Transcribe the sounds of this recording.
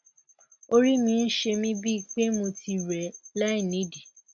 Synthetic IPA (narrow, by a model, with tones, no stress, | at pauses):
o˧ɾi˦mĩ˧n̩˦ʃe˧mĩ˦bi˦i˨˧k͡pe˦mũ˧tʰi˧ɾɛ˨lɛ˦i˦˨nĩ˨˦de˨